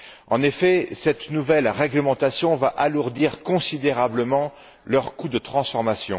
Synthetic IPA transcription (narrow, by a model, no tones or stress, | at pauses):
ɑ̰̃nefɛsɛt̪nuvɛlʁɛɡləmɑ̃t̪asjɔ̃vaʔaluʁd̪iʁkɔ̃sid̪eʁabləmɑ̃ | lœʁkud̪ət̪χɑ̃sfɔʁmasjɔ̃